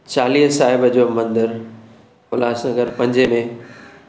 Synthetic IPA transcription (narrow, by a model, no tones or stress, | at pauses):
t͡ɕaːliːɦsaːɦɪbəd͡ʑoːmɐ̃nd̪əɾ | ʊlaːsnəɡəɾpɐ̃ɲd͡ʑemẽ